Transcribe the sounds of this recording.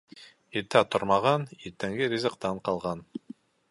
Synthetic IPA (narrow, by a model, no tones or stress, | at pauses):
iɾt̪æt̪oɾmɑʁɑniɾt̪ːæŋɡɘɾʲizə̆qt̪ɑɴqɑlˠʁɑn